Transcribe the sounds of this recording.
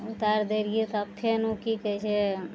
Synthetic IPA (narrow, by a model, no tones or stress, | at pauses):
ut̪aɾd̪eɾiet̪əpʰːenukikɛt͡ʃʰe